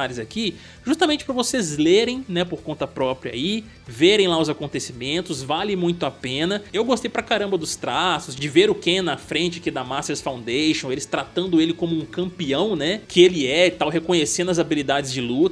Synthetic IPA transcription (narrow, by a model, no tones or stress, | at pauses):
aɾɪzaki | ʒust̪ɐmẽnt͡ʃɪ̥pɾɐvosezleɾẽj̃nɛpoɾkõnt̪ɐpɾɔpɾiɐa̰i | veɾẽj̃laʊzakõnt̪esimẽnt̪ʊzvalẽmũj̃t̪ʊapẽnɐewɡost̪ejpɾɐkaɾɐ̃mbɐd̪ʊst̪ɾasʊzd͡ʒɪveɾʊkẽnɐfɾẽnt͡ʃɪakid̪ɐmaseɾsfãw̪̃d̪eʃõw̃elɪst̪ɾat̪ɐ̃nd̪ʊelɪkõmʊũkɐ̃mpiɐ̃w̃nɛkʰɪelɪɛt̪awɦekõɲesẽd̪ɐzabilid̪ad͡ʒɪzd͡ʒɪlut̪